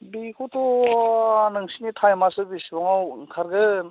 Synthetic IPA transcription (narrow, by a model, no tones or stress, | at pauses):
bikʰot̪ʰo | nɯŋsinit̪ʰajmasɯbisbɔŋawkʰaɾɡɯ